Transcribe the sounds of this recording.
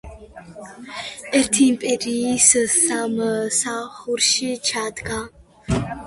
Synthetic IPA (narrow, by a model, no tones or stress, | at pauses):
ɛɾt̪ʰimpʼɛɾiːsɨsaməsaχuɾʃit͡ʃʰaːd̪ɡa